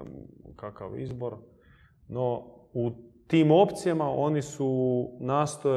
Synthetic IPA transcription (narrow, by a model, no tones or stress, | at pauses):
kakaʋḭzbo̞ɾ | nout̪iːmo̞pt̪sijamaʔo̞nisunaːst̪oe